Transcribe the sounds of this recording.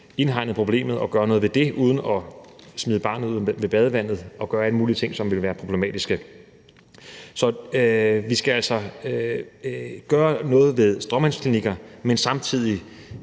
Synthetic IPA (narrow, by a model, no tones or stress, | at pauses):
e̝nɦɑ̈ɪ̰nð̩ˠpʰʁo̝b̥le̝̰ːmð̞̩ˠɒ̽ɡ̥ɶːɐnɔ̽ːð̞̩ˠʋed̥e̝ʔuð̞ˠn̩ɒ̽smiːðˠəb̥ɑ̈nð̩̰ˠʋe̝b̥ɛð̞ˠəʋæn̰ð̞̩ˠɒ̽ɡ̥ɶːɐæləmuːliət͡sʰe̝ŋ̰sɒ̽mʋe̝lʋæːɐpʰʁo̝b̥le̝mɛ̰ːd̥isɡ̥ə | sɒ̽ | ʋisɡ̥ææl̰sɒ̽ | ɡ̥ɶːɐnɔ̽ːð̞̩ˠʋe̝ð̞ˠsd̥ʁɒmænskʰliniɡ̥ɐmensɑ̈mt͡sʰið̞̰ˠi